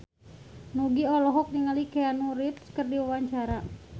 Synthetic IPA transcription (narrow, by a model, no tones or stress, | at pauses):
nuɡiɔlɔɦɔk̚niŋalikɛanuɾit̪skərdiwawaɲt͡ʃaɾa